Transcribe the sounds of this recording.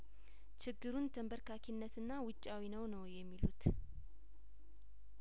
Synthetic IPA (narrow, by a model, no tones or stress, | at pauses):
t͡ʃʰɪɡːɨɾunt̪ʰəmbəɾkʰakʰinːət̪ɨnːawʊt͡ʃʼːawinəwnəwjɛmːilut̪